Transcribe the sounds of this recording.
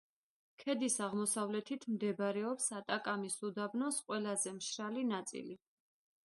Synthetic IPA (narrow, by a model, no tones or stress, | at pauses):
kʰɛd̪isaʁmɔsavlɛt̪ʰit̪ʰmd̪ɛbɾɛɔpsat̪ʼakʼamisud̪abnɔsqʼwɛlazɛmʃɾalinat̪sʼḭli